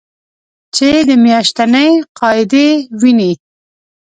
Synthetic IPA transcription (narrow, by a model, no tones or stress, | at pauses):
t͡ʃed̪əmjɑʃt̪anəjqɑɪd̪ewini